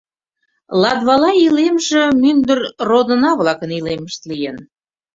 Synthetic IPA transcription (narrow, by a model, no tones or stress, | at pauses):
lɑd̪βɑlɑilemʒĕmynd̪ərrod̪ənɑβlɑkənileməʃt̪lijen